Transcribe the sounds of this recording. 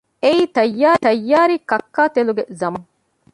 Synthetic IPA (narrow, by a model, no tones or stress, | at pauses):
eiːt̪ɐjːaːt̪ɐjːaːɾikɐkːaːt̪eluɡezɐmɐŋ